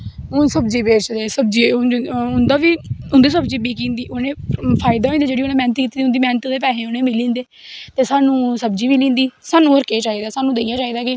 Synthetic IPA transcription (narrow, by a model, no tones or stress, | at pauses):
ʊnsəbd͡ʒiːbeːt͡ʃd̪eːsəbd͡ʒiːʊnd̪aːʋiːʊnd̪iːsəbd͡ʒiːbiːkĩːnd̪iːʔʊnẽːpʰaːɪd̪aːõĩːd̪eːd͡ʒeːɽiːoːnẽːmɛ̃ːnət̪kiːt̪ːiːd̪iʊ̃nd̪iːmɛːnət̪ːd̪eːpɛːɦẽːʊnẽːmɪlĩːnd̪eː | t̪eːsaːnũːsəb̚d͡ʒiːmiːlĩːnd̪iːsaːnũːəɾkeːt͡ʃaːiːd̪aːsaːnũːd̪eːjãːt͡ʃaːiːd̪aːkɪ